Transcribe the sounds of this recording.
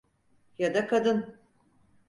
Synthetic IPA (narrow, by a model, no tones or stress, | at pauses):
jad̪akʰad̪ɯn